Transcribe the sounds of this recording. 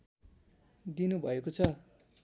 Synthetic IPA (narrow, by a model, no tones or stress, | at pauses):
d̪inubʱʌekot͡sʰʌ